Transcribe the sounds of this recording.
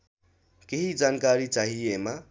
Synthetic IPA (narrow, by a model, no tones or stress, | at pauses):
keɦid͡ʒaːnkaɾit͡ʃaɦiema